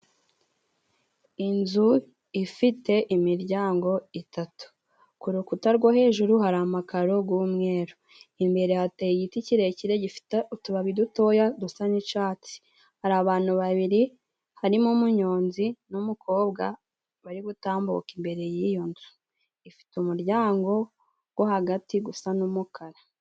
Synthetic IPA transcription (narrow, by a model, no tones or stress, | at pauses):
inzu | ifite̞ʔimiɾɟaːŋɡo̞itatu̥ | kuɾukutaɾɡwahe̞ːʒuɾuhaɾamakaɾo̞ɡuːmŋe̞ːɾo | imbe̞ɾe̞hatejiɟiticiɾeciɾe̞ɟiutuβaβiduto̞jadusaɲit͡ʃaːt͡si̥ | haɾaβaːn̥huβaβiɾi | haɾimumuɲo̞ːnzinumukʰo̞ːb̚ɡa | βaɾiɡutaːmbṵkimbe̞ɾe̞jijonzu | ifi̥tumuɾɟaːŋɡo̞ | ɡ̥wohaɡatiɡusanumukʰaɾa